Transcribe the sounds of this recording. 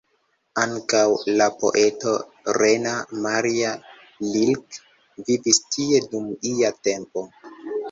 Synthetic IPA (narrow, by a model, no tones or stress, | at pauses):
aŋkawlapo̞̰ʔe̞to̞ | ɾenamaɾia | lilk | vivistie̞dumiate̞mpo̞